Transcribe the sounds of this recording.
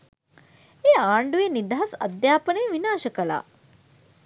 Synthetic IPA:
eːaːɳɖujenid̪ʱaɦasɐ̰d̪jaːpənejʋinaːʃɐkəla̰ː

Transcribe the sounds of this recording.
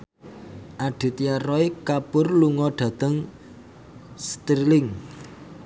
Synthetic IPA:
ʔaɖ̥i̤t̪iarɔikapʊrluŋɔɖ̪̥ä̤d̪̥əŋ | st̪ɾilɪŋ

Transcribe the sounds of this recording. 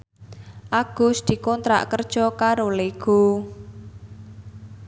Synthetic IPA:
ʔaɡ̥ʊ̤sd̪̥i̤kɔnt̪ɾa̰ʔkərd̥ʒ̥ɔkaɾoleɡ̥o̤

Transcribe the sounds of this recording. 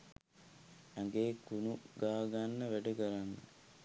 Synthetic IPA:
aŋɡeːkunuɡaːɡanːəʋæɖəɡaɾanːə̰

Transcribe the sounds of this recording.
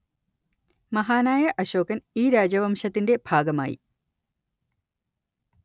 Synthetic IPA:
mɐɦaːnaːjɐʔɐɕo̞ːkɐniːɾaːd͡ʑɐʋɐmʂɐt̪ːinde̞bʱaːɡɐma̰ːjḭ

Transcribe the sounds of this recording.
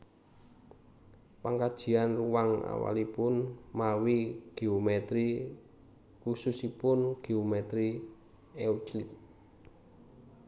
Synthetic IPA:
paŋkad̥ʒ̥i̤anruwaŋa̰wa̰lipʊnmawiɡ̥iomɛt̪ɾi | kususipʊnɡ̥iomet̪ɾi | ɛut͡ʃlit̪̚

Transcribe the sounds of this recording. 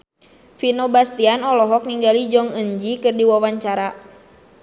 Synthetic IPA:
finɔbast̪ianɔlɔɦɔk̚niŋɡalid͡ʒɔŋəɲd͡ʒikɨrdiwawaɲt͡ʃaɾa

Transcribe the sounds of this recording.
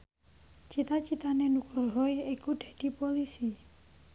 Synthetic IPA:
t͡ʃit̪at͡ʃit̪anenukɾɾɔjikuɖ̥a̤ɖ̥i̤polisi

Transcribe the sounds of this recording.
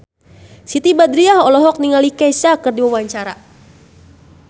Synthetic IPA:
sit̪ibad̪ɾiahɔlɔɦɔk̚niŋalikɛsakɨrdiwawaɲt͡ʃaɾa

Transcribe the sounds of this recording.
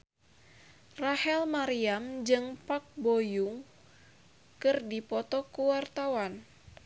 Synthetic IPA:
rahɛlmaɾiamd͡ʒɨŋpak̚bojuŋ | kɨrdipɔt̪ɔkuwart̪awan

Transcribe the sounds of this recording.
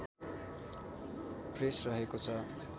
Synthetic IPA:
presrʌɦekot͡sʰʌ

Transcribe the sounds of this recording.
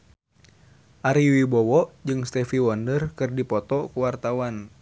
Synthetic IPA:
ʔaɾiwibɔwɔʔd͡ʒɨŋst̪ɛfiwɔndərkɨrdipɔt̪ɔkuwart̪awan

